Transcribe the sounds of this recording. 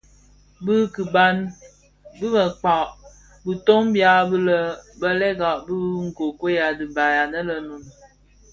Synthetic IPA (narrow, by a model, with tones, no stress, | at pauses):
bɨ˦ki˨ba˦n | bi˦mə˨k͡pa˨ʔ | bu˨to˦ŋbja˨˦bə˦lə˦bə˦lɛ˦ɡa˨ʔbi˦ŋ̩˨ko˨ko˦ja˨di˨ba˨ja˨nə˦lə˨nu˨n